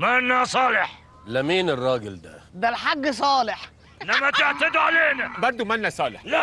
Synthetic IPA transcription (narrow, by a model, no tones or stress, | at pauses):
mænːæsˤɑːleħ | læmiːnɪrˤːɑːɡɪld̪æ̰d̪ælħaɡːsˤɑːleħ | ʔɪnːæmæt̪eʕt̪æd̪ʕaleːnæbɑɾˤd̪umænːæsˤɑːlḛħ